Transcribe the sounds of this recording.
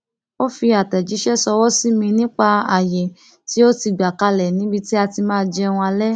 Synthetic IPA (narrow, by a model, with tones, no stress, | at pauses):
o˦fi˧a˨tɛ˨d͡ʒi˨˦ʃɛ˦sɔ˧wɔ˦si˦mĩ˧nĩ˦k͡pa˧a˨jɛ˨ | ti˨˦o˦ti˧˨ɡ͡ba˨ka˧lɛ˨nĩ˦bi˦ti˦a˧ti˧mãː˦˧d͡ʒɛ˧ũ˧a˧lɛ˦